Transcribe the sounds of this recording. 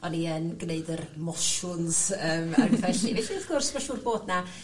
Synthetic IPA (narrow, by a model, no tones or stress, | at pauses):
ɔniənɡneɨdərmɔʃʊnz̥əːma̰rnfɛɬivɛɬieːkʰʊrsmɔʃurboːdna